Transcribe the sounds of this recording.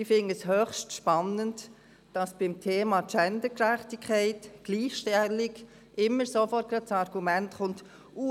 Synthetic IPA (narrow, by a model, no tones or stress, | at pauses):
ifɪnəshøχʃtʃpɑnənt | d̥ɑsb̥ɪmtʰeːmɑt͡ʃɛndəkɾæχtɪkʰɛɪtɡ̥liːχʃtɛlɪɡ | ʔɪmːəɾsofɔrt̚kɾɑt̚t͡sɑɾɡ̥umæntχʊnt | u